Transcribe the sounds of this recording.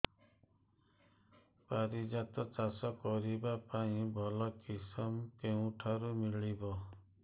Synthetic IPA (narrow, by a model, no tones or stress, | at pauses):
paɾid͡ʒat̪ɔt͡ʃasɔkɔɾibapaĩbʱɔlɔkisɔmkeũʈʰaɾumiɭibɔ